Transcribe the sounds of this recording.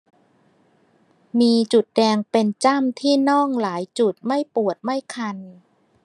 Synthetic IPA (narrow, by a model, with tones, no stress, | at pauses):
miː˧t͡ɕu˨˩t̪̚dɛː˧ŋpe˧nt͡ɕa˥˩mt̪ʰiː˥˩nɔ˥˩ŋlaː˩˦jt͡ɕu˨˩t̪̚ma˥˩jpu˨˩ət̪̚ma˥˩jkʰa˧n